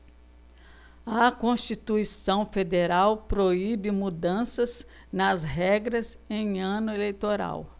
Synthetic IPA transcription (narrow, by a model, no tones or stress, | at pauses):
ɐkõst͡ʃit̪uisɐ̃w̃fed̪eɾawpɾoibɪmud̪ɐ̃sɐz | nɐzɦɛɡɾɐz | ẽj̃ɐ̃nʊelejt̪oɾa̰w